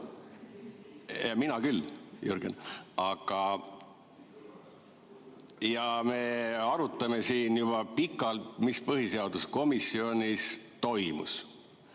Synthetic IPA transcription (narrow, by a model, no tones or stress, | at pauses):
jɑminɑkylːjuɾɡ̥ḛnɑɡ̥ɑ | jɑme̞ɑɾut̪ːˑɑme̞siːnjub̥ɑpikːˑɑlt̪mispɤɦiseɑd̪usko̞misːio̞nʲist̪o̞jmṵs